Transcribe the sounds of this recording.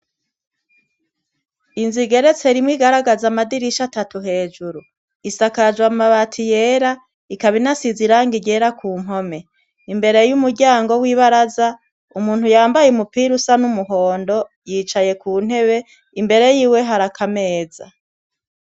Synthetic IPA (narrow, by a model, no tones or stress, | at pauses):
inziɡe̞ɾe̞t͡se̞ɾimwiɡaɾaɡazamadiɾiʃatatuɦe̞ːd͡ʒuɾu | isakad͡ʒwamaβatʰije̞ːɾa | ikaβinasiziɾaːŋɡiɟe̞ːɾakuːm̥ɦo̞me̞ | imbe̞ɾe̞jumuɾɟaːŋɡo̞wiβaɾaza | umuːn̥hujaːmbajemupiɾusanumuɦo̞ːndo̞ | jiːt͡ʃaje̞kuːn̥he̞βe̞ | imbe̞ɾe̞jiːwe̞ɦaɾakʰame̞ːz̥a